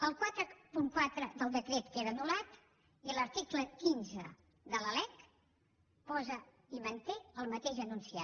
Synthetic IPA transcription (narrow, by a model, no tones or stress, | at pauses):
əlˠkwat̪ɾəpuŋkwat̪ɾəd̪əlˠd̪əkɾet̪keðənulat̪ | iələɾt̪ikləkinzə | ðələlɛk | pɔzə | imənt̪eəlˠmət̪eʒənunsia